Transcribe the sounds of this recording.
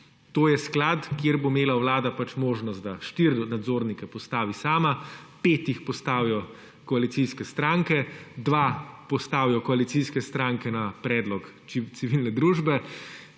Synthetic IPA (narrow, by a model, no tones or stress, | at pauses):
t̪oːjɛsklaːt̪kjeɾbomeːlawlaːd̪apat͡ʃmoːʒnɔst̪d̪aʃt̪iɾnad̪zoːɾnikɛpɔst̪aːʋisaːmapeːt̪ixpɔst̪aːwijɔ | kɔalit̪siskɛst̪ɾaːŋkɛd̪ʋapɔst̪aːwijɔkɔalit̪siskɛst̪ɾaːŋkɛnapɾɛːd̪lɔk | t̪siʋilnɛd̪ɾuːʒbɛ